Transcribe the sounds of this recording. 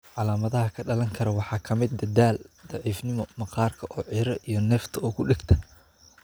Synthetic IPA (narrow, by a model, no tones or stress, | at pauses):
ʕɑlaːmɐðɐɦɐkʰɐɖɐlɐŋkʰɐɾɐwɑħɑːkʰɐmɪd̪̚d̪ɐdaːld̪ɑʕiːfnɪmɔmɐqɑːrkʰɐʔɔːʕiːɾɐʔijɞnɛːft̪ʰɐɔːkʰʊɖɪɡt̪ʰɐ̥